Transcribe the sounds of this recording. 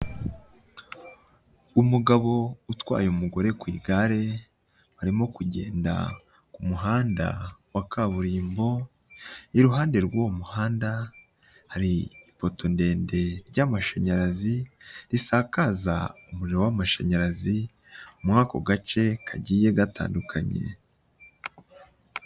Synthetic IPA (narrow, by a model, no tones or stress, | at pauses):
umuɡaβo̞utwa̰ːjomuɡo̞ɾe̞kwiːɡaɾe̞ | βaɾimo̞kuɟe̞̰ːnda̰ | kumuɦaːnda̰wakaβuɾiːmbo̞ | iɾuɦaːndeɾɡwomuhaːnda | haɾiːpo̞to̞nde̞ːnde̞ɾɟamaʃaɲaɾaziɾisakaza̰umuɾiɾo̞wamaʃaɲaɾazi | umŋaːko̞̰ɡat͡ʃe̞kʰaɟiːje̞ɡata̰ːndukʰaɲe̞̰